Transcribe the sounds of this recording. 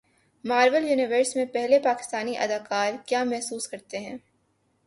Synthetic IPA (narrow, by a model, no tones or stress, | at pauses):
maːɾʋəljuːnɪʋəːɾsmẽpɛɦlepaːkɪ̥st̪aːniʔɐ̰d̪aːkaːɾkjaːmɛɦsuːskɐɾt̪eɦɛ̃ː